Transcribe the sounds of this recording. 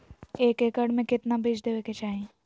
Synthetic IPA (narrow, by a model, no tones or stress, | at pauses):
eːkeːkəɽmẽkɪt̪nabʱɪd͡ʒd̪eːʋeket͡ʃaːɦẽː